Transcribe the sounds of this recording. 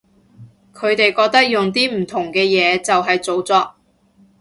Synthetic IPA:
kʰɵ˨˧ɥt̪e˨jkɔː˧k̚t̪ɐ˥k̚jʊ˨ŋt̪iː˥m̩˨˩t̪ʰʊ˨˩ŋkɛː˧jɛː˨˧t͡sɐ˨wɦɐ˨jt͡so˨˧wt͡sɔː˧k̚

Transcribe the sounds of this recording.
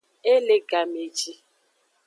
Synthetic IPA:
e˦le˦ɡa˨me˨d͡ʒi˦

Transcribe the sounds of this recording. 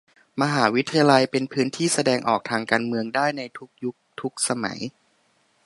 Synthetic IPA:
ma˧ɦaː˩˦wi˦˥t̪ʰːa˧ja˧la˧jpe˧npʰɯː˦˥nt̪ʰiː˥˩sa˧dɛː˧ŋʔɔː˨˩k̚t̪ʰaː˧ŋkaː˧nmɯ˧əŋdaː˥˩jna˧jt̪ʰu˦˥k̚ju˦˥k̚t̪ʰu˦˥k̚sa˧ma̰˩˦j

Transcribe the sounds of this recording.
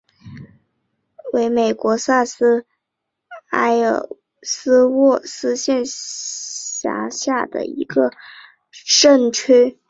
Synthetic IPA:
we˧˥ɪme˨˩ɪkwɔ˧˥sa˥˩sɹ̩˥ | a˥ɪ˨˩ | sɹ̩˥wɔ˥˩sɹ̩˥ɕjɛ˥˧n | ɕja̰˧˥ɕja˥˩d̪ə̰˩ḭ˧˥ɡə˧ | ʂə˥˩nt͡ɕʰe˥

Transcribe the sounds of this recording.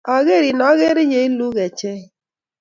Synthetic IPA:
ɔ˨ɣe˦˨ɾi˨nɔ˦ɣe˦ɾi˦ɲe˨i˦lu˦ɣe˨t͡ʃe˦

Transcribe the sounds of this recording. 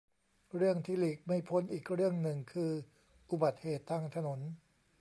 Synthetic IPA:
ɾɯ˥˩əŋt̪ʰiː˥˩liː˨˩k̚ma˥˩jpʰo˧˥nʔiː˨˩k̚ɾɯ˥˩əŋnɯ˨˩ŋkʰɯː˧ | ʔu˨ba˨˩t̪̚heː˨˩t̪ʰːaː˧ŋt̪ʰa˧no˩˦n

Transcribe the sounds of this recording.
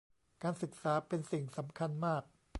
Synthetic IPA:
kaː˧nsɯ˨˩k̚saː˩˦pe˧nsi˨˩ŋsa˩˦mkʰa˧nmaː˥˩k̚

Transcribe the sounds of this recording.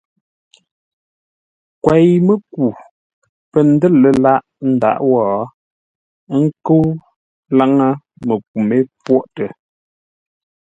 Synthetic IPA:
kwɛ˨jmə˨ku˨ | pə˨n̩˦də˦˨lə˨la˦ʔ | n̩˦da̰˨ʔwɔː˦˨˦ | ŋ̩˦kə˦w | la˦ŋa˦ | mə˨k̚u˨me˦pwɔ˦ʔtə˨

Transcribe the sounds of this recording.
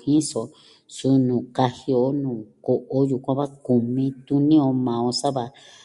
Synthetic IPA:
hĩ˦so˨ | su˧˦nũː˨ka˧hi˧o˧˦nũː˨ko˨ʔo˧˦ju˨kʷã˧βa˦ku˨mĩ˧t̪u˦nĩ˦o˧mã˨o˧sa˦βa˧

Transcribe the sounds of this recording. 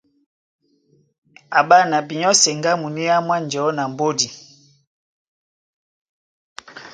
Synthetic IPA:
a˨ba˦na˨bi˨ɲɔ˦sɛ˨ŋɡa˦mu˨ni˦a˦mwa˦nd͡ʒɔ˨˦na˨m˨bo˦di˨

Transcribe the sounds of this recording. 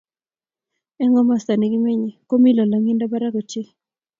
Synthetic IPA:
ɛ˦ŋɔ˦ma˦˨st̪a˨ni˨ɡɪ˦me˦ɲi˨ko˦mi˦lɔ˨la˨ŋi˦nda˦ba˦ɾa˦ɡo˨t͡ʃɪ˦

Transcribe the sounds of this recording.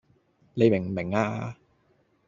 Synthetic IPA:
ne˨jmɪ˨˩ŋ˨mɪ˨˩ŋaː˧

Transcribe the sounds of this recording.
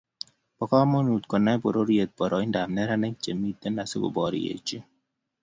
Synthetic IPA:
b̥ɔkɔamo˦nu˨t̪kɔ˨nːa˦bo˨ɾoɾie˨t̪̚bɔ˨ɾɔi˦ndamneɾanɛ˦k̚t͡ʃe˨mːit̪ːe˦nːase˦ɡo̰˨bɔɾḭjḛ˨t͡ʃi˦

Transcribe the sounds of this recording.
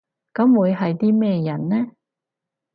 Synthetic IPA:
kɐ˨˥mwuː˨˧jɦɐ˨jt̪iː˥mɛː˥jɐ˨˩nnɛː˥

